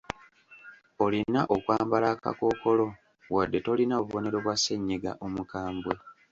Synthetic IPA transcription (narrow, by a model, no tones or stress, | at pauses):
o̞linaʔokwaːmbalaːka̰ko̞ːko̞lo̞ | βwadːe̞to̞linaoβuβo̞ne̞ɾo̞βwase̞ɲːeɡa̰ʔomukaːmbwe